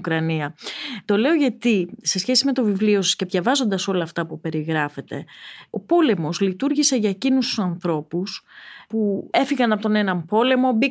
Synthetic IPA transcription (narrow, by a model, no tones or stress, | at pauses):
kɾɐniɐt̪o̞le̞oʝɐt̪ise̞sçe̞sime̞t̪o̞vivlio̞sɐsce̞vʝɐvɐzo̞nd̪ɐso̞lɐːft̪ɐpupe̞ɾiɣɾɐfe̞t̪e̞̰o̞po̞le̞mo̞zlit̪uɾʝise̞ʝɐecinust̪u̥sɐnθɾo̞puspue̞fiɣɐnɐpot̪o̞ne̞nɐmpo̞le̞mo̞bi